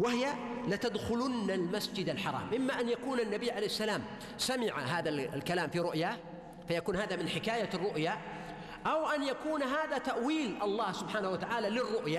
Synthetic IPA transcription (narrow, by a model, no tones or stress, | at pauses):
wahɪjalɪt̪ad̪xʊlʊnːalmasd͡ʒɪd̪alħɑɾˤɑ̰ːmʔɪmːaʔanjakuːnanːabiːʕalejhɪsːalaːm | samɪʕa̰ɦaːðalkalaːmfiɾʊʔjaː | fajakuːnhaːðamɪnħɪkaːjarˤːʊʔja | ʔawʔanjakuːnɦaːðat̪aʔwiːlʔɑlˤːɑːhsʊbħaːnahwat̪aʕaːlalɪrːʊʔja